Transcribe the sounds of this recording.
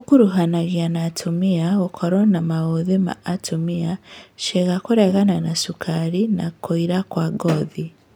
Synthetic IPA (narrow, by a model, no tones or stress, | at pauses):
okuɾuɦanaɣianatʰumiaɣokʰoɾonamaɣoðema̰ːtʰumiaʃeɣakuɾeɣananasukʰaɾina̰koiɾakwaɡoði